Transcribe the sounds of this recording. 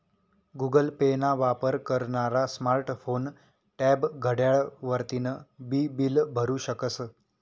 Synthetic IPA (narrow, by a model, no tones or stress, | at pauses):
ɡuɡəlpenaʋapəɾkəɾɳaɾasmaɾʈfon | ʈɛbɡʱəɽjaɭʋəɾt̪inəbibilbʱəɾũɕəkəsə